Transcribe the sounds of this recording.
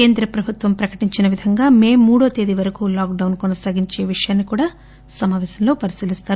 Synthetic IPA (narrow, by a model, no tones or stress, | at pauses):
ke̞ːnd̪ɾɐpɾɐbʱut̪ʋɐmpɾɐkɐ̥ʈiɲt͡ʃinɐʋid̪ʱɐŋɡaːme̞ːmːuːɽoːt̪eːd̪iʋɐɾɐkuːlaːkɖɐwnkɔnɐsaːɡiɲt͡ʃe̞ːʋiʂɐjaːnːikuːɽaː | sɐmaːʋɛːsɐmlo̞ːpɐɾisilist̪aːɾu